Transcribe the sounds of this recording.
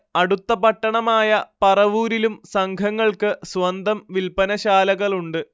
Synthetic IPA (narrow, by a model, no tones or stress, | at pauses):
ɐɽut̪ːɐpɐʈːɐɳɐmaːjɐpɐrɐʋuːɾilumsɐŋɡʰʱɐŋːɐɭkɨswɐnd̪ʱɐmʋilpɐnɐɕaːlɐɣɐɭuɳɖɨ